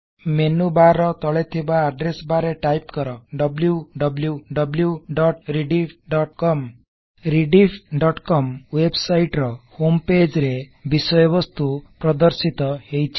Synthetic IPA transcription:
menubaɾɔt̪ɔɭet̪ʰibaːɖɾesbaɾeʈajpkɔɾɔɖɔbljuɖɔbljuɖɔbljuɖɔʈɾiɖipʰɖɔʈkɔm | ɾiɖipʰɖɔʈkɔmwebsajʈɾɔhomped͡ʒɾebisɔjɔbɔst̪upɾɔd̪ɔɾsit̪ɔhejt͡ʃʰi̥

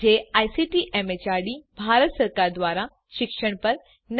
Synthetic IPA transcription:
eajsiʈiʔemet͡ɕaɾɖibʱaɾət̪səɾkaɾd̪ʋaːɾa | ʃɪkʃəɽ̃pəɾ | n

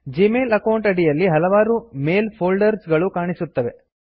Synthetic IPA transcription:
d͡ʒiːmeːlɐkɐwɳʈɐɽijɐlːiɦɐlɐʋaːɾumeːlpʰoːlɖɐɾsɡɐɭukaːɳisut̪ːɐʋe̞

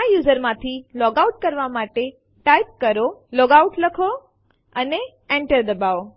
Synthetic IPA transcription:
ajuːzəɾmãt̪ʰilɔɡaʊʈ̚kəɾʋamaʈe | ʈajp̚kəɾolɔːɡauʈləkʰo | əne | ẽɳʈəɾd̪əbao

